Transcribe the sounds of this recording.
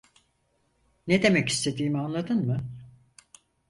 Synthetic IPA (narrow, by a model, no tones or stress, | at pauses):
ned̪e̞mɛci̥st̪ʰe̞d̪iːmianlˠad̪ɯnmɯ